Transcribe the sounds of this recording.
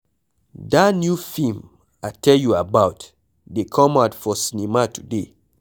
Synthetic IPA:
datnjufĩm | atʰɛljuabaʊt | dekʰɔ̃maʊtfɔsinimatu̥de

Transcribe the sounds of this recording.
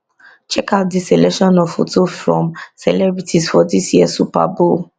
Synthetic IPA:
t͡ʃɛkadisɛlɛkʃɔ̃nɔffutufɹɔ̰̃msɛ̰lɛbɹitʰisfɔdisjiɛsupa̰bol

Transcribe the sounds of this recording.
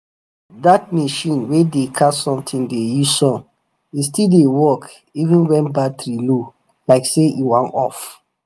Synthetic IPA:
dat̚meʃĩnwedekʰasɔ̃mtʰĩndejuzsɔ̃n | istildewɔk | ivĩnwɛ̃nbatɹilo | laɪkseʔiwãnɔ̰f

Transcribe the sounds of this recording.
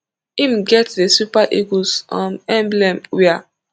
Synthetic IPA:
ĩmɡɛtdesupaʔiɡosɔ̰̃mɛ̃mblɛ̃mwɛa

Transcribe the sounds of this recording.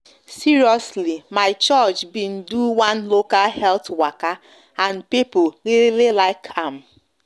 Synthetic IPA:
siɹiɔslimaɪt͡ʃɔt͡ʃbin̩duwãnlokalhɛltwaka | ãnpipʊɣiɾelelaɪkʰãm̩

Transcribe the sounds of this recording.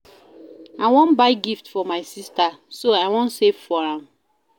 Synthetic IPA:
aɪwɔ̃nbaɪɡiftfɔmaɪsistasoaɪwɔ̃nsevfɔɹãm

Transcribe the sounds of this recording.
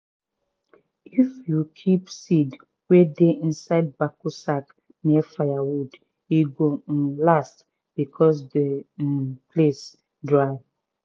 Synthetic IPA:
ifjukʰipsid | wedeʔĩnsaɪd̚bakosak | niɛfaɪjawud | iɡolast | b̥ikʰɔs̬de | pʰles | dɹaɪ

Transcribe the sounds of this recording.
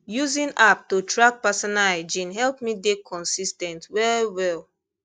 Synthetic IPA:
juzĩnap̚tutɹak̚pasɔnaɛd͡ʒĩnɦɛlp̚midekʰɔ̃nsistɛ̃ntwɛɹiwɛl

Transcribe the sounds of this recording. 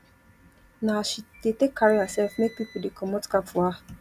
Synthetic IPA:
nãʃid̥etekʰːaɹiasɛlfmek̚pipodekʰɔmɔtkapfɔa

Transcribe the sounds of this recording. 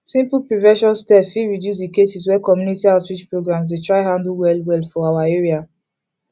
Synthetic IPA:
sĩmpl̩pɹivɛʃɔ̃nstɛpfiɹidjus̬dikesis̬wɛkɔmjunitiaswit͡ʃpɹoɡɹãms̬wetɹaɪɦãndl̩wɛlwɛlfɔawaeɹia

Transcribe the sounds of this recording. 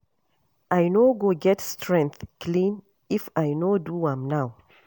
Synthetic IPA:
ʔajnoɡoɡɛtstʰɹɛ̃ŋkθklĩn | ifajnoduãmnaw

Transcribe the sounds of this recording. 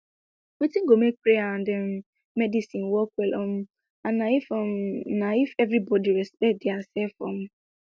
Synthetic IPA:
wetĩŋ̩ɡomek̚pɾeaãndɛm | mɛdisĩnwɔkwɛlʔɔm̩ | anaifɔmnaifɛvɾibɔdiɾɛspɛt̚dɪasɛlfɔ̰m̩

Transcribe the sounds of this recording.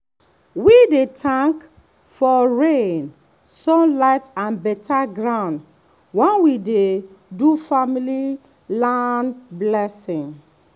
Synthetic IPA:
widetʰãŋk | fɔɹẽn | sɔ̃nlaɪtãnbɛtʰaɡɹãʊ̃nd | wɛ̃nwide | dufamili | lanblɛsɪ̃ŋ

